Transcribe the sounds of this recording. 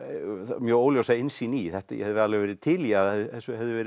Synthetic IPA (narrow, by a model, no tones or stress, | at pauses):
mjœːoːwljowsaːjɪnsiniθɛht̪ajɛ̰hɛðʏvɛɾðalvɛvɛːɾɪt̪ʰɪljaðɛðɪɛsːʏhɛvðʏvɛːɾɪ